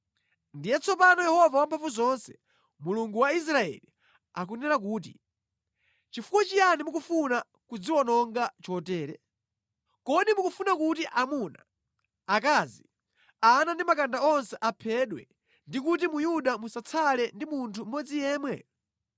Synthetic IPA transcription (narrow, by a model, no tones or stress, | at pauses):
ndijɛt͡sʰɔpanɔjɛhɔvawampʰaɱvuzɔnsɛ̥ | muluŋɡuwais̬ɾaɛ̰li | akunɛɾak̬uːt̬ḭ | t͡ʃifukwat͡ʃijanimukufuna | kud͡ziwɔnɔŋɡat͡ʃɔtɛːɾɛ̰ | kɔɗimukufunakutiʔamuna̰ | akaːzi | anandimakandaɔnsɛʔapʰɛɗwɛ̰ | ndikut̬imujuɗamusat͡sʰalɛndimuntʰum̩mɔd͡zijɛːmwɛ